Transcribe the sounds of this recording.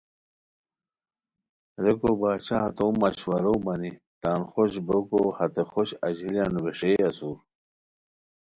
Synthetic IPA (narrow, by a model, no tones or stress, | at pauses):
ɾekobaːt͡ɕat̪oːmːɐɕwɐɾobɐni | t̪aːnxoɕbokohɐt̪exoɕɐʑiljanuweʂeːɐsuːɾ